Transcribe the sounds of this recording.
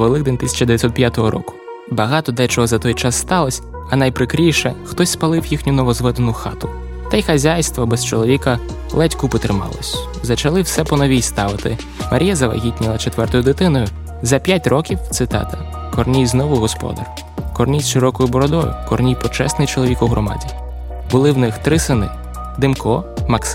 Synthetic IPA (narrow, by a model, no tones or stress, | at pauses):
ʋelˠɪɡd̪ɛnʲt̪ɪsʲɐ̥t͡ʃɐd̪ejɐtʲsʲɔt̪pʲjat̪ɔɦɔɾɔ̰kʊ̥ | bɐɦɑt̪ɔd̪ɛt͡ʃɔɦɔzɐt̪ɔjt͡ʃɑsːt̪ɑlˠɔsʲ | ɐnɐjpɾɪkɾʲijʃɛxt̪ɔsʲspɐlˠɪwjixnʲʊnɔʋɔzʋɛd̪enʊxɑ̰t̪ʊ | t̪ɐjxɐzʲajst̪ʋɔbɛst͡ʃɔlˠɔʋʲikɐ | lˠɛtʲkʊpɔt̪ɾɪmɑ̰lˠɔ̰sʲ | zɐt͡ʃɐlˠɪwsɛpɔnɔʋʲijst̪ɑʋɪt̪ɪ | mɐɾʲijazɐʋɐ̰ɦʲitʲnʲilˠɐt͡ʃet̪ʋɛrt̪ɔjʊd̪ɪt̪ɪnɔjʊ | zɐpʲjatʲrɔkʲiwt̪sɪt̪ɑ̰t̪ɐ | kɔrnʲijznɔʋʊɦɔspɔ̰d̪ɐ̰r | kɔrnʲijsʃɪɾɔkɔjʊbɔɾɔd̪ɔjʊ̰kɔrnʲijpɔt͡ʃɛ̰snɪjt͡ʃɔlˠɔʋʲikʊɦɾɔmɑ̰dʲi | bʊlˠɪwnɪxt̪ɾɪsɪnɪ | d̪ɪmkɔmɐks